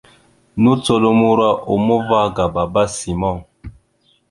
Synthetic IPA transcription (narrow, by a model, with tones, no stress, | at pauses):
nu˦to˨lo˦mu˦ɾa˦ʔo˨mo˦va˦ɡa˨ba˨ba˦si˨mɔ˦˨